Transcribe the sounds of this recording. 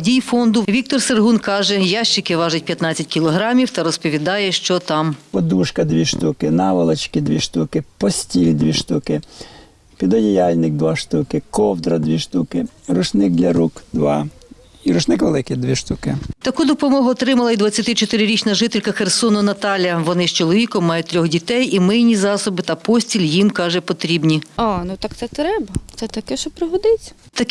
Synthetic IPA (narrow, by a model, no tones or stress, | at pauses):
dʲijfɔnd̪ʊʋʲik̚t̪ɔrserɦunkɑʒɛjɑʃt͡ʃɪkɪʋɑʒʊt̚ʲpʲjɐt̪nɑt͡sʲːɐt̚ʲkʲilˠɔɦɾɑmʲiwt̪ɐɾɔspɔʋʲid̪ɑjɛʃt͡ʃɔt̪ɑmpɔd̪uʃkɐd̪ʋʲiʃt̪ukɪnɑʋɐlˠɐt͡ʃkɪd̪ʋʲiʃt̪ukɪpɔsʲtʲilʲid̪ʋʲiʃt̪ukɪ | pʲid̪ɔjʲijɑlʲnɪk̚d̪ʋɑʃt̪ukɪkɔwd̪ɾɐd̪ʋʲiʃt̪ukɪɾʊt͡ʃnɪk̚d̪lʲɐɾukd̪ʋɑ̰ | iɾʊʃnɪkʋelˠɪkɪd̪ʋʲiʃt̪ukɪt̪ɐkud̪ɔpɔmɔɦʊɔt̪ɾɪmɐlˠɐid̪ʋɐt͡sʲːɐt̪ɪt͡ʃɔt̪ɪɾɪɾʲit͡ʃnɐʒɪt̪elʲkɐxersɔnɔnɐt̪ɑlʲjɐʋɔnɪst͡ʃɔlˠɔʋʲikɔmːɑjʊt̪ʲːɾʲɔxdʲit̪ɛjimɪjnʲizɑsɔbɪt̪ɐpɔsʲtʲilʲjimkɑʒɛpɔt̪ɾʲibnʲiɑnut̪ɑk̚t̪sɛt̪ɾɛbɐt̪sɛt̪ɐkɛʃt͡ʃɔpɾɔɦɔd̪ɪt͡sʲɐ̥ | t̪ɐk